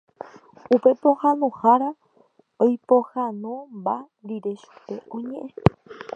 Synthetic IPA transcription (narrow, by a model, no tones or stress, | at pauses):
upepohanũhaɾa | ojpohanũmba | ɾiɾeʃu̥peõɲẽʔẽ